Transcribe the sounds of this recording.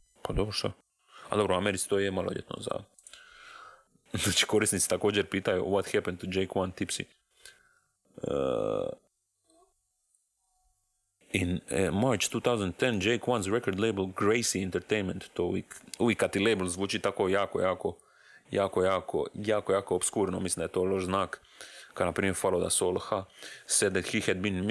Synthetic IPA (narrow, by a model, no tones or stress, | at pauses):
pad̪obɾoʃa | a̰d̪o̞bɾoameɾit̪si̥t̪oːjemaloʎḛt̪no̰za̰ | nat͡ʃi̥ko̞ɾisnit̪si̥t̪ako̞ːd͡ʒeɾpiːt̪ajṵwot̪hɛpɛ̃nd̪t̪ud͡ʒejkwant̪ipsḭ | ə | inmaɾt͡ʃt̪uːt̪awzand̪t̪ɛnd͡ʒejkwanzɾɛkoɾd̪leɪblɡɾejsiɛnt̪əɾt̪ejnmẽnt̪t̪oʋḭkuʋikːat̪ileblˠzʋuːt͡ʃit̪akojaːko̰jaːko | jaːkojaːko̰jaːkojaːkoːbskuːɾnomislimd̪ajet̪oːloʃznaːk | kad̪napɾiːmjeɾfalod̪a̰soːlxasɛd̪ɛt̪hihɛd̪̚bin